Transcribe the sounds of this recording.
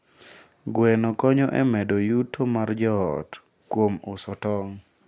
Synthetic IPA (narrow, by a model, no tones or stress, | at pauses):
ɡwɛnɔkɔɲɔʔɛ̰mɛdojutʰomard͡ʒɔɔt | kwomʊsɔtɔŋ